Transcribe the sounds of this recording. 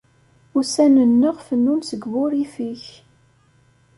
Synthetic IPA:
ʊsænənːəʁfənːunsəɡvʊɾifiç

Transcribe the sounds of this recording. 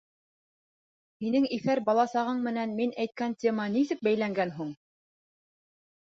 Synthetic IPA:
hinɘŋifæɾbɑlˠɑsɑʁɤɴmɘ̆nænminæjt̪̚kæntʲemɑnisɘk̚bæjlæŋɡænɦuɴ

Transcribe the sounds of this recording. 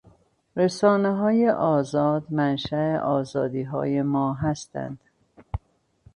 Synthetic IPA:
ɾesɒːneɦɒːje̞ʔɒːzɒːd̪mænʃæeʔɒːzɒːd̪iːɦɒ̰ːjemɒːɦæst̪æ̰nd̪̥

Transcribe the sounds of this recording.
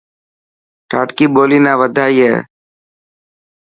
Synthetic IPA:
ʈaːʈkiːboːliːnãːʋəd̪ʱaːiːɦɛ̰ː

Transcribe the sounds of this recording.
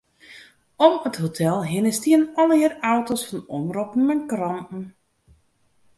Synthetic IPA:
ɔməthotʰɛlˠɦɪnəstiənɔlˠiərawtosfɔnɔmropn̩mɛŋkrɔntn̩

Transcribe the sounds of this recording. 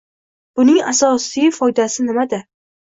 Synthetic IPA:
b̥ʊnɪŋa̰sɒsijfɒjd̪asɪnɪmad̪ɪ

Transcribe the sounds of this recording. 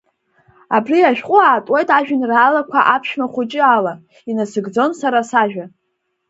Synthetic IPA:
abriaʃᶣqʼʊaːtʼwe̞jtʼaʒᶣɪnraːlakʷʰa̰ʔapʰʃmaχʷʊt͡ʃʼɪala | inasɨɡd͡zo̞nsaɾasaʒᶣa

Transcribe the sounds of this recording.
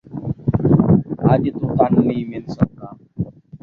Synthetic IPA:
aːd͡ʒt̪uːt̪ənːĩːmɪlsək̚ːaː

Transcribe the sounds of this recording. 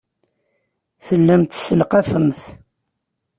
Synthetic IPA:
θəlːæmt̪səlqɑfəmθ

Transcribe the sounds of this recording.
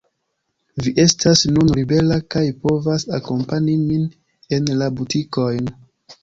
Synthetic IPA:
viʔe̞stʰasnunɾibe̞lakajpo̞vasako̞mpaɲimin | e̞nlabutʰiko̞jn

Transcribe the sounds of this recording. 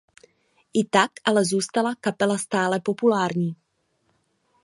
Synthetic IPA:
ʔɪt̪akʔalɛzuːst̪alakapɛlast̪aːlɛpo̞pulaːɾɲiː

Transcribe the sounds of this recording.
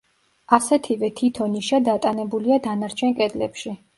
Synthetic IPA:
asɛt̪ʰivɛt̪ʰit̪ʰɔniʃad̪at̪ʼanɛbuliad̪anaɾt͡ʃʰɛnkʼɛd̪lɛpʃi

